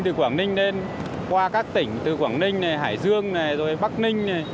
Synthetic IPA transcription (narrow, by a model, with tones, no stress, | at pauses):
t̪ɨ˨˩kwaː˧˩ŋnï˧ŋ̟ne˧n | kwaː˧kaː˦˥k̚t̪ï˧˩ŋ̟t̪ɨ˨˩kwaː˧˩ŋnï˧ŋ̟na˨˩jɦa̰ː˧˩jzɨ˧əŋna˨˩jzo˨˩jɓa˦˥k̚nï˧ŋ̟na˨˩j